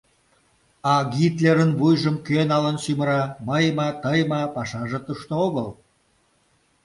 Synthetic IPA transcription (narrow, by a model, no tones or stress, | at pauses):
ɑɡit̪lʲeɾə̆nbujʒə̆mkønɑlə̆nsymə̆ɾɑməjmɑt̪əjmɑpɑʃɑʒĕt̪uʃt̪ooɣəl